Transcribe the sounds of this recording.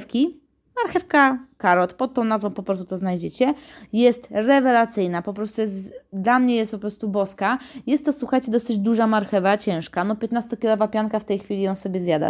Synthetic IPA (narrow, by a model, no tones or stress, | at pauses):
fkʲi | maɾxɛfkakaɾɔt̪pɔt̪ːɔ̃nazvɔ̃w̃pɔpɾɔst̪ut̪ɔznajd͡ʑɛt͡ɕɛjɛst̪ɾɛvɛlat̪sɘjnapɔpɾɔst̪ujɛst̪d̪lamɲɛjɛst̪pɔpɾɔst̪ubɔskajɛst̪ːɔswuxajt͡ɕɛd̪ɔsɘd͡ʑd̪uʐamaɾxɛvat͡ɕɛ̃ʂkanɔpʲjɛt̪nast̪ɔkʲilɔvapʲjaŋkaft̪ɛjxfʲilʲijɔ̃sɔbʲɛzʲjad̪a̰